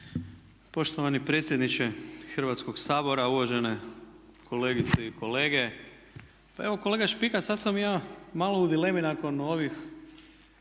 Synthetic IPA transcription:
po̞ʃt̪oʋanipɾe̞t̪sʲje̞d̪nit͡ʃe̞xr̩ʋat̪sko̞ɡsaːbo̞ɾauʋaʒe̞ne̞ | kʰo̞le̞ːɡit̪seikʰo̞le̞ːɡe̞ | paeʋoko̞le̞ɡaʃpikasad̪samjaːmaːlˠoud̪ile̞minako̞no̞ʋix

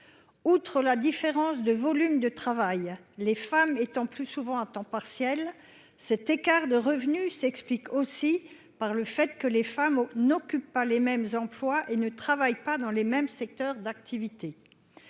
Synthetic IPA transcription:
ut̪χəlad̪ifeʁɑ̃sd̪əvɔlymd̪ət̪χavaj | lefamet̪ɑ̃plysuvɑ̃ɛ̃t̪ɑ̃paʁsjɛl | sɛt̪ekaʁd̪əʁəvnysɛksplikosi | paʁləfɛt̪kəlefamnɔkʲypːalemɛmzɑ̃plwaʔenət̪χavajpad̪ɑ̃lemɛmsɛk̚t̪œʁd̪ak̚t̪ʰivit̪e

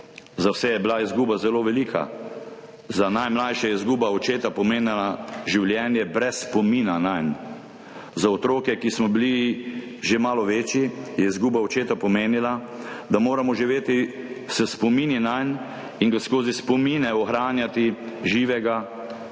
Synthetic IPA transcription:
zawsɛjɛbilaizɡuːbazɛloːʋɛliːkʰa̰ | zanajmlaːjʃajɛizɡuːbaɔt͡ʃeːt̪apɔmeːnilaʒiwljɛnjɛbɾɛsːpɔmiːnanajn | zaɔt̪ɾoːkɛkismɔbili | ʒemaːlɔʋeːt͡ʃjijɛizɡuːbaɔt͡ʃeːt̪apɔmeːnila | d̪amoːɾamɔʒiʋeːt̪i | sɛspɔmininajn | iŋɡaskoːzispɔmiːnɛɔxɾaːnjat̪iʒiːʋɛɡa

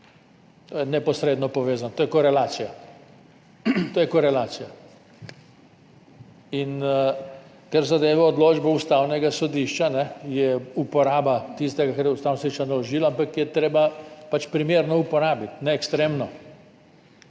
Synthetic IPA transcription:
t̪ojɛnɛpɔsɾeːd̪nɔpɔʋeːzanɔt̪oːjɛkɔɾɛlaːsija | t̪oːjɛkɔɾɛlaːt̪sija | in | kaɾzad̪eːʋaɔd̪loːd͡ʒbɛust̪aːwnɛɡasɔd̪iʃt͡ʃanɛjɛupɔɾaːbat̪ist̪ɛɡakɛɾjɛust̪awnsod̪iʃt͡ʃanalɔʒiːlaampakjɛt̪ɾeːbapat͡ʃpɾimeːɾnɔupɔɾaːbit̪nɛːkst̪ɾeːmnɔ

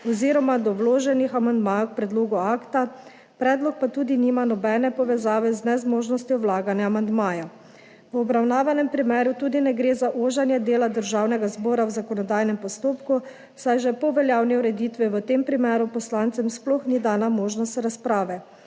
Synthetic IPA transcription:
ɔziːɾɔmad̪ɔwloːʒɛnixamand̪maːjkpɾɛd̪loːɡuaːkt̪a | pɾɛːd̪lɔk̚pat̪uːd̪iniːmanɔbɛːnɛpɔʋɛzaːʋɛznɛzmoːʒnɔst̪jɔwlaːɡanjaːmand̪maːja | wɔbɾawnaːʋanɛmpɾimɛːɾut̪uːd̪inɛɡɾeːzaʔoʒanjɛd̪eːlad̪əɾʒaːwnɛɡazbɔːɾawzakɔnɔd̪aːjnɛmpɔst̪oːpku | sajʒɛpɔʋɛljaːwniuɾɛd̪iːt̪ʋiʋət̪empɾimɛːɾupɔslant̪sɛmsplɔxnid̪aːnamoːʒnɔst̪ɾaspɾaːʋɛ

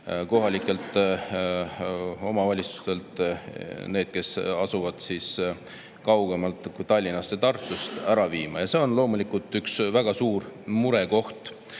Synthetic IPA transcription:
ko̞ɦɑlʲikːˑe̞lt̪ˑ | o̞mɑvɑlʲit̪su̥st̪e̞lt̪ | ne̞ːd̪̥̚ke̞sɑsuvɑd̪̥siːs | kɑwɡ̥e̞mɑlt̪ːˑkujt̪ɑlʲːinɑst̪et̪ɑrt̪ˑːust̪æɾɑviːmɑjɑse̞o̞nlo̞ːmulikult̪ːˑyksvæɡ̥ɑsuːrmuɾe̞ko̞ht̪

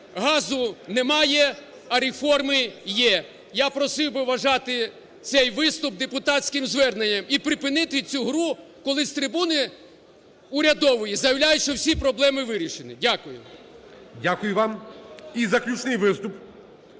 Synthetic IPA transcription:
ɦɑzʊnɛmɑjɛ | ɐɾʲefɔrmɪjɛ | japɾɔsɪwbɪʋɐʒɑt̪ɪ | sɛjʋɪst̪ʊb̚d̪epʊt̪ɑtsʲkɪmzʋɛrnenʲːɐmipɾɪpɪnɪt̪ɪt͡sʲuɦɾu | kɔlˠɪst̪ɾɪbunɪ | ʊɾʲɐd̪ɔʋɔjizɐjɐwlʲajʊʃt͡ʃɔwsʲipɾɔblˠɛmɪʋɪɾʲiʃenɪdʲakʊjʊ̰ | dʲakʊjʊʋɑmizɐklʲut͡ʃnɪjʋɪst̪ʊp

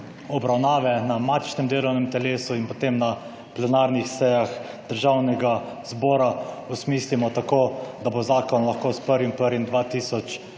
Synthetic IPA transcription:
ɔbɾawnaːʋɛnamaːt̪ʃnɛmd̪eːlɔwnɛmt̪ɛleːsuinpɔt̪emna | plɛnaːɾnixsɛjax | d̪̥əɾʒawnɛɡa | zbɔːɾausmiːslimɔt̪akoːd̪abozaːkɔnlaxkoːspəɾʋimpəɾʋimd̪ʋaːt̪iːsɔt͡ʃ

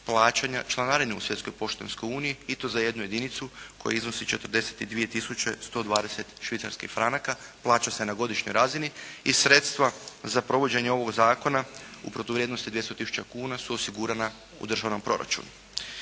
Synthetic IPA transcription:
plˠaːt͡ʃaɲat͡ʃlˠanaɾineusjet̪sko̞jpo̞ʃt̪ḛnsko̞juːnijiit̪o̞zaje̞d̪nuje̞d̪init̪suko̞ja̰izno̞sit͡ʃet̪r̩d̪e̞set̪id̪ʋie̞t̪isut͡ʃest̪o̞ːd̪ʋaːd̪ese̞t̪ʃʋit̪sa̰ɾskḭxfɾanakaplˠaːt͡ʃase̞naɡo̞d̪iʃɲojɾaːziniisɾe̞t̪st̪ʋazapɾo̞ʋo̞d͡ʑe̞ɲeo̞ʋo̞ɡzaːko̞naṵpɾot̪oʋɾjed̪no̞st̪id̪jest̪ot̪isu̥t͡ʃakuːnasuosiɡuɾana | ṵd̪ɾr̩ʒaʋnompɾo̞ɾa̰t͡ʃṵnu

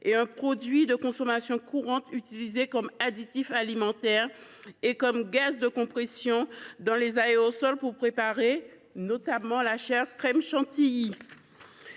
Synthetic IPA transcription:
eɛ̃pχɔd̪ɥid̪əkɔ̃sɔmasjɔ̃kuʁɑ̃t̪yt̪ilizekɔmad̪it̪ifalimɑ̃t̪ɛʁ | ekɔmɡazd̪əkɔ̃pχesjɔ̃d̪ɑ̃lezaeosɔlpuʁpχepaʁe | not̪amɑ̃laʃɛʁkχɛmʃɑ̃t̪iji

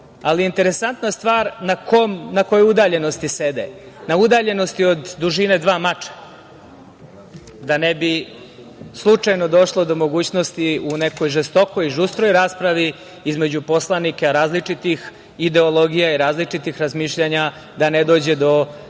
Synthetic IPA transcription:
alijint̪e̞ɾe̞sant̪nast̪ʋaːɾnakʰomnako̞joud̪aːʎe̞no̞st̪ised̪ḛ | naud̪aʎe̞no̞st̪io̞d̪ːuʒine̞d̪ʋaːmat͡ʃḁ | d̪anebi | slˠut͡ʂajno̞d̪o̞ʃlˠo̞d̪o̞mo̞ɡuːt͡ɕno̞st̪iune̞ko̞jʒest̪o̞ko̞jiʒust̪ɾo̞jɾaːspɾaʋi | izme̞d͡ʑupo̞slˠanikeɾaːzlit͡ʂit̪ix | id̪e̞olˠo̞ɡijaiɾaːzlit͡ʂit̪ixɾazmiːʃʎaɲa | d̪aned̪o̞ːd͡ʑe̞d̪o̞

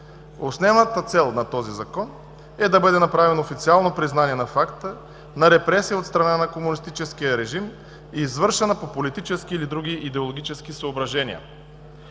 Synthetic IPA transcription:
osnɛnət̪ət̪sɛlˠnɐt̪ɔzizɐkɔn | ɛd̪ɐbɤd̪ɛnɐpɾavɛnofit̪sialˠnopɾiznaniɛnɐfakt̪ə | nɐɾɛpɾɛsijəot̪st̪ɾɐnanɐkomunist̪it͡ʃɛsk̟ijəɾɛʒim | iːzvɤɾʃɛnəpopolit̪it͡ʃɛskiːlid̪ɾuɡ̟iʔid̪ɛolˠoɡʲit͡ʃɛskisəobɾɐʒɛnḭə̰

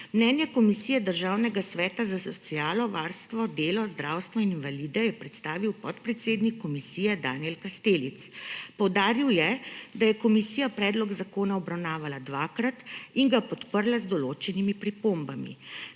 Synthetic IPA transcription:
mnɛnjɛkɔmisiːjɛd̪əɾʒawnɛɡasʋɛːt̪azasɔt̪siaːlɔʋaːɾst̪ʋɔd̪eːlɔzd̪ɾaːwst̪ʋɔinnʋalid̪ɛjɛpɾɛt̪st̪aːʋiwpɔt̪pɾɛt̪seːd̪nikːɔmisiːjɛd̪aːnjɛlkast̪eːlit̪spɔwd̪aːɾiwjɛd̪ajɛkɔmisiːjapɾɛːd̪lɔɡzakoːnaɔbɾawnaːʋalad̪ʋaːkɾat̪iŋɡapɔt̪pəɾlazd̪ɔloːt͡ʃɛnimipɾipombamḭ

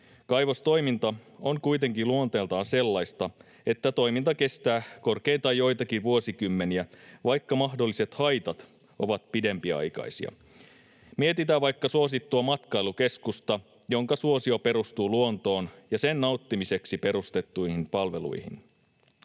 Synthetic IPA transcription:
kɑjʋost̪o̞jmint̪ɑoŋkujt̪e̞ŋkiluo̞nt̪e̞ːlt̪ɑːnse̞lːɑjst̪ɑ | e̞t̪ːæt̪o̞jmint̪ɑke̞st̪æːko̞rke̞jnt̪ɑjojt̪ɑk̟iʋuo̞sikymːe̞niæʋɑjkːɑmɑɦdo̞lːise̞t̪hɑjt̪ɑt̪ | o̞ʋɑt̪̚pide̞mpiɑ̰jkɑ̰isḭɑ̰ | miet̪it̪æʋɑjkːɑsuo̞s̬it̪ːuɑmɑt̪kɑiluke̞skust̪ɑ | jo̞ŋkɑsuo̞sio̞pe̞ɾust̪uːluo̞nt̪o̞ːnjɑsenːɑut̪ːimise̞ksipe̞ɾust̪e̞t̪ːuihinpɑlʋe̞lṵihḭn

